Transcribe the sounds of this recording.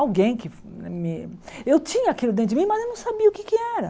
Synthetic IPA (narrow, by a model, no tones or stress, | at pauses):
awɡẽj̃kɪ | ɛmɪewt͡ʃĩɲɐakelʊd̪ẽt̪ɪmĩmɐzewnɐ̃w̃sabiɐʊkɪkɪɛɾɐ